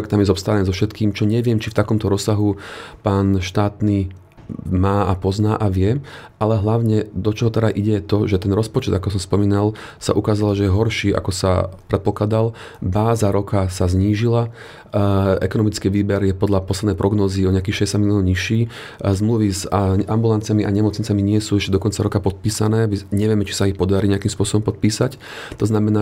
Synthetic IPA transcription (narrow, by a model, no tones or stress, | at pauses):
k̚t̪amjɛzɔpst̪aːɾaniːzɔfʃɛt̪kiːmt͡ʃɔɲɛʋɪɛmt͡ʃift̪akɔmt̪ɔɾɔsaɦupaːnʃt̪aːt̪niː | maːapɔznaːʔaʋɪɛʔalɛɦlaʊɲɛd̪ɔt͡ʃɔɦɔt̪ɛd̪aʔiɟɛt̪ɔʒɛt̪ɛnɾɔspɔt͡ʃɛd̪akɔsɔmspɔmiːnalsa̰ʔukaːzalaʒɛjɛɦɔɾʃiːʔa̰kɔsa̰pɾɛt̪̚pɔklad̪al | baːzaɾɔkasazɲiːʒila | ɛkɔnɔmit͡skiːʋiːbɛɾjɛpɔd̪ʎapɔslɛd̪nɛjpɾʔɔɡnɔːziɔɲɪak̬iːxʃɛɟɛsaɟmiliɔnɲiʃiː | zmluʋizambulant͡siamiʔaɲɛmɔt͡sɲit͡samiɲɪɛsuːɛʃcɛd̪ɔkɔnt͡saɾɔkapɔt̪̚piːsanɛːʋiɲɛʋɪɛmɛt͡ʃi̥saixpɔd̪aɾiːɲɪakiːmspʊɔsɔbɔmpɔt̪̚piːsac | t̪ɔznamɛnaː